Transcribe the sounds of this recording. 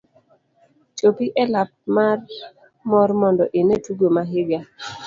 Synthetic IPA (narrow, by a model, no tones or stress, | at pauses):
t͡ʃopiʔɛlap̚mar | mɔrmɔndɔʔɪnetuɡomaɦɪɡa